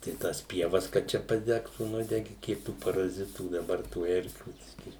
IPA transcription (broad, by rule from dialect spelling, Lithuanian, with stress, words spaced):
tɐɪ ˈtɑːs ˈpʲiɛʋɐs kɐt ˈt͡ʃʲɛ pɐˈdʲæːktuː ˈnʊdʲɛɡʲɪ ˈkʲiɛk tuː pɐrɐˈzʲɪtuː dɐˈbɐr tuː ˈɛrʲkʲuː ˈbʲɪsʲkʲiː